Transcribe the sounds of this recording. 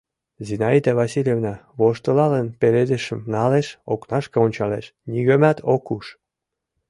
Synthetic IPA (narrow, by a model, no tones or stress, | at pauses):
zinɑid̪ɑβɑsilʲjevnɑβoʃt̪ɤlɑlənpeled̪ĕʃəmnɑleʃoknɑʃkɤonʲt͡ɕɑleʃnʲiɣømæt̪ʰokuʃ